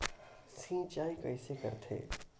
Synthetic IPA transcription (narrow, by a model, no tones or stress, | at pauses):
sĩnt͡ʃaːikɐɪsekə̰ɾt̪ʰḛː